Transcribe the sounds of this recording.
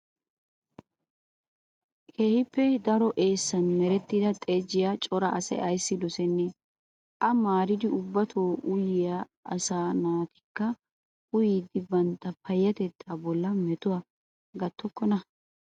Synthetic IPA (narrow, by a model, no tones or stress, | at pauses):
kʰeːhɪpːɛd̪ɐɾɔʔe̞ːsːɐnmɛɾɛt̪ːɪd̪ɐt̪ʼeːd͡ʒɪjat͡ʃʼɔɾɐʔɐsɛ̰ʔɐjsːɪd̪ɔsɛnːɛ | ʔɐmaːɾɪd̪ɪʊbːɐt̪ʰoːʔʊjɪjaː | ɐsaːnaːt̪ɪ̥kːɐ | ʊjiːd̪ɪbɐnt̪ːɐpɐjːɐt̪ɛt̪ːaːbɔlːɐmɛt̪ʊwaː | ɡɐt̪ʰːɔkːɔnɐ